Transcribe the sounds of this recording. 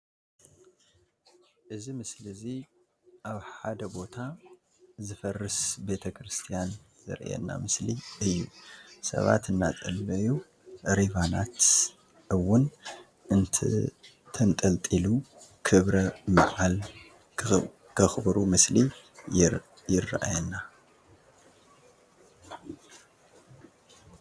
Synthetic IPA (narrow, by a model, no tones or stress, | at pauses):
ʔɨzimɨslɨzi | ʔaβħad̪ɐbo̞t̪ʰa | zɨfɐrːɨsbe̞t̪ʰɐkɾɨst̪ʰijan | zɨ̰ɾʔɛ̰nːa̰mɨsliɨjːusɐ̰βa̰t̪ɨnːat̪ʼɐlːɐju | ɾivana̰t̪ | ɨwːʊn | ɨnt̪ʰ | t̪ʰɐnt̪ʼɐlt̪ʼilukʰɨβɾɐmaʕal | kʰɐxbɐɾumɨsli | jɪra̰ʔa̰jɛnːa